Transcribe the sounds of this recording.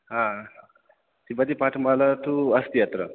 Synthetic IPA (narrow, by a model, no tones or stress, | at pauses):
ɦãa | t̪ibəd̪ipaʈʰmalat̪uəst̪ijat̪ɾə